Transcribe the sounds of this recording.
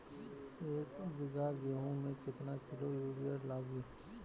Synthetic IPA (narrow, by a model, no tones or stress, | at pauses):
eːkbɪɡaɡeɦõmẽkɪt̪nakɪlojuːlijəɾlaːɡiː